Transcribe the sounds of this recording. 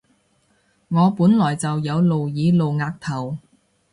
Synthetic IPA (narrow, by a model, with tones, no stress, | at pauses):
ŋɔː˨˧puː˨˥nlɔː˨˩jt͡sɐ˨wjɐ˨˧wlo˨wjiː˨˧˥lo˨wŋaː˧k̚t̪ʰɐ˨˩w